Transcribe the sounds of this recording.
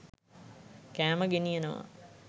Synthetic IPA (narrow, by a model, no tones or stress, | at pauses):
kæːməɡenijənəʋa̰